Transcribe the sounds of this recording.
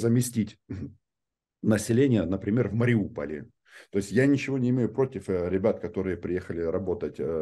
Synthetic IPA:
zəmʲɪsʲtʲitʲ | nəsʲɪlʲenʲɪjənəpɾʲɪmʲe̞rvməɾʲɪupə̰lʲɪ̰ | t̪o̞ɪsʲtʲjanʲɪt͡ɕɪvo̞nʲɪmʲejʊpɾo̞tʲɪfɾʲɪbʲat̪kɐt̪o̞ɾɨjəpɾʲɪjexəlʲɪɾɐbo̞t̪ətʲ

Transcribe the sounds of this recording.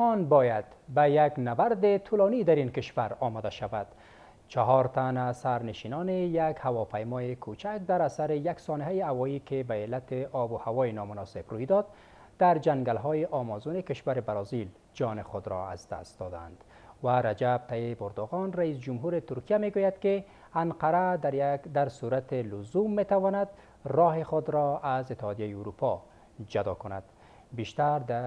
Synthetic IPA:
ɔnbɔjad̪̥bajaɡnabaɾd̪ɪt̪ʰʊlɔnid̪aɾinkɪʃwaɾɒmɔd̪aʃavad̪̥ | t͡ʃaɦɔɾt̪anasaɾnɪʃinɔnejaɡhawɔpajmɔjekʰut͡ʃʰak̚d̪aɾasaɾɪjaɡsɔnɪɦajihawɔjikɪbaelːat̪ɪʔɔbʊhawɔjinɔmʊnɔsɪbrujd̪ɔd̪̚ | d̪̥aɾd͡ʒaŋɡalɦɔjɪʔɒmɔzunɪkɪʃwaɾɪbaɾɔzil | d͡ʒɒnɪχʊd̪ɾɔ̰a̰zd̪a̰st̪̚d̪ɔd̪a̰nd̪̥ | waɾad͡ʒab̚t̪ʰaibʊɾd̪ʊɣɔnraisd͡ʒumɦuɾɪt̪ʊɾkijameɡujad̪ke | anqaɾad̪d̪aɾsuɾat̪ɪlʊzumːet̪awɔnad̪ | rɒɦeχʊd̪ɾɔazɪt̪ːɪhɑd̪ijajiuɾupʰɔ | d͡ʒad̪ɔ̰kʊna̰d̪ | biʃt̪aɾd̪a

